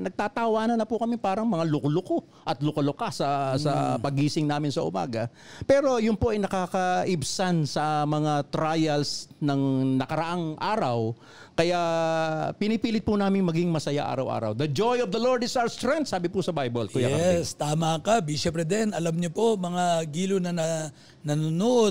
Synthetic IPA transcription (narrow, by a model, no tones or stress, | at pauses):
nɐɡ̚t̪aːt̪ɐwaːnɐnɐpʊkɐmipaːɾɐŋmɐŋalʊklʊko | ʔɐt̪lʊkɐlʊkasɐsɐ̰pɐɡiːsɪŋnaːmɪnsɐʔʊ̰ma̰ːɡɐ | pɛːɾo̞jʊnpoʔɐjnɐkaːkɐʔɪbsansɐmɐŋat̪ɾajɐlsnɐŋnɐkɐɾɐʔaŋʔaːɾɐw | kɐja | pɪnɪpiːlɪt̪̚pʊnaːmɪŋmɐɡiŋmɐsɐja̰ʔa̰ːɾɐwʔa̰ːɾɐ̰wd̪ɐd͡ʒojɔvd̪ɐloɹd̪ɪsawɐst̪ɾɛŋt̪saːbɪpʊsɐbajbolʊjaɐɛst̪aːmɐkɐbiʃɛpɾɛd̪ɛnɐlamɲopomɐŋaɡiːlonɐnɐ | nɐnʊno